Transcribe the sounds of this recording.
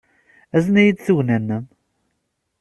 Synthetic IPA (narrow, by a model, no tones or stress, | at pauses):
æznæjid̪θuʝnænːəm